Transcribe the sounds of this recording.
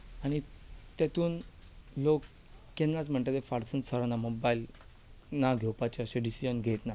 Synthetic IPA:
aɽ̃it̪et̪uːn | lokː | enːat͡sm̤əɳʈ̪et̪efaɾsənsəɾanamobail | naɡʱewpat͡ɕeəɕẽɖisid͡ʑənɡʱet̪na

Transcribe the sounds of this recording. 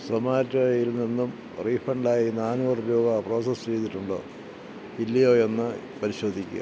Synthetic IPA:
sɐmaːɾɐtːɐɐjilninːum | riːfɐɳɖaːjinaːnuɐrubjoːɡapro̞ːsɐst͡ɕe̞jt̪ːiʈːuɳɖo̰ː | ilːɐjo̞ːe̞nːɨ | pɐɾiɕo̞ːd̪ʱikʲːṵ

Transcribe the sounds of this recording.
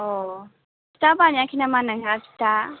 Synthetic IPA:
o | t͡ʃi̥t̪abanakʰinamanaŋɡat͡ʃi̥t̪a

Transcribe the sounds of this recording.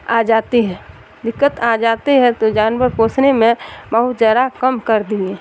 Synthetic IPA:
ad͡ʒaːt̪iɦɛ̃ː | d̪ɪkːət̪ad͡ʒaːt̪iɦɛ̃t̪od͡ʒaːnʋəɾpoːt͡ʃnemẽbəɦʊt̪zaːɾakəmkəɾd̪ĩẽː

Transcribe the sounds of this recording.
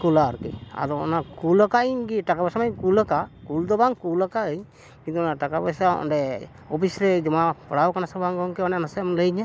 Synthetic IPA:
kulaɾkḭa̰d̪ɔɔ̰nakulɔkaiɲkiʈakabasamajkuləkakuld̪ɔbaŋkulɔkaəɲ | kint̪uɔnaʈakabasaɔ̰ɖɛ | ɔpʰisɾɛd͡ʒɔmapɔɽawkanasɔbaŋɡɔŋkɛɔnɛnasɛmləjɲa

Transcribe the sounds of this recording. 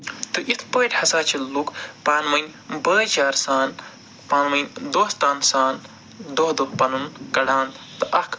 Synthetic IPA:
t̪ɨʔit̪ʰpəːʈʲhɐsaːt͡ʃʰilukpaːnmɐjnʲbɐːt͡ʃaːɾsaːn | paːnmɐjnd̪oːhst̪aːnsaːn | d̪oɦd̪opɐnunkɐɖãːnd̪ | t̪ɨʔɐkʰ

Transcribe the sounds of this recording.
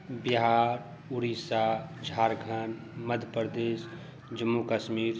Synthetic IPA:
biɦaːɾ | uɾisad͡ʒʱaːɾɡʱən | məd̪ʱəpəɾd̪eːs | d͡ʒəmːukəʃmiːɾ

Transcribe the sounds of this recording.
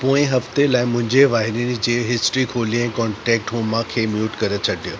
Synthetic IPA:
poːɪ̃ɦɐft̪elaːɪmʊ̃ɦɪ̃ɲd͡ʑeʋaːɦɪɾinid͡ʑeːɦɪsʈɾikʰoːliɛ̃ːkɔːɳʈɛːk̚ʈɦoːmãkʰeːmjuːʈkɐɾət͡ɕʰɐɖijo

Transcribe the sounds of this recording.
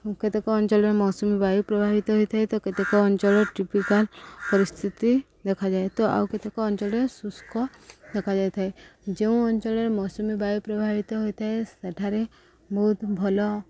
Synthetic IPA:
ket̪ekɔːnt͡ʃɔɭɾmɔːsɔmibajupɾɔbʱabit̪ɔɦojt̪ʰaɦet̪ɔket̪ekɔːnt͡ʃɔɭɔʈipikalpɔɾist̪ʰit̪i | d̪ekʰad͡ʒaet̪ɔʔa̰wket̪ekɔːnt͡ʃɔlesuskʰɔ | d̪ekʰad͡ʒajt̪ʰaed͡ʒeũɔnt͡ʃɔɭɔɾmɔːsumibajupɾɔbʱabit̪ɔɦojt̪ʰaeseʈʰaɾe | bɔɦut̪bʱɔlɔ

